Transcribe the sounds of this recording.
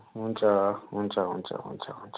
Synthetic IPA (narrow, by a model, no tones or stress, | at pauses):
ũnt͡ʃaũnt͡ʃaũnt͡ʃa̰ṵnt͡ʃa̰unt͡ʃ